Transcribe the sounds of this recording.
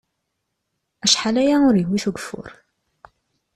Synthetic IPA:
æʃħalæjaʊɾjəwːiθuɡəfʊ̰ɾ

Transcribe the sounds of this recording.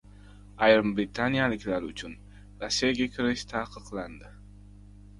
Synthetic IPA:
ajɾɨmbɾit̪ʰanijalɪkʲlaɾʊt͡ʃʰʊn | ɾasːijaɡʲakʲʰɪɾɪʃt̪ʰaːqʰɨqlˠand̪ɪ

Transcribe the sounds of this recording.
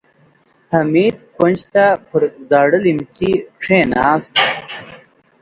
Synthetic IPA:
t̪ʰɐmiːd̪konʲd͡ʑt̪apʰəɾzaːɽəlimt͡ɕiʈ͡ʂʰẽːnaːst̪

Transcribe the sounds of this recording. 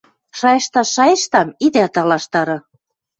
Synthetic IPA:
ʃɑjɤ̆ʃt̪ɑʃɑjɤʃt̪ɑmid̪æt̪ɑlɑʃt̪ɑɾɤ̆

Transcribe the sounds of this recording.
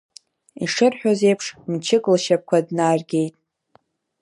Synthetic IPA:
ḭʂɨrħʷᶣoze̞jpʰʂmt͡ʃʰɪkʼlʃap̚kʷʰadnaːrɡʲe̞jtʼ

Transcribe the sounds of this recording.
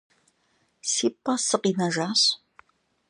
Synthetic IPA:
siːpʼɐsɨqinɐʒaːɕ

